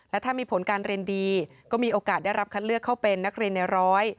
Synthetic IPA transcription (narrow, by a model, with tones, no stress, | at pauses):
lɛ˦˥t̪ʰaː˥˩miː˧pʰo˩˦nkaː˧nɾi˧əndiː˧ | kɔː˥˩miː˧ʔoː˧kaː˨˩t̪̚da˥˩jɾa˦˥p̚kʰa˦˥t̪̚lɯ˥˩əkʰːa˥˩wpe˧nːa˦˥k̚ɾi˧ənːa˧ɾɔː˦˥j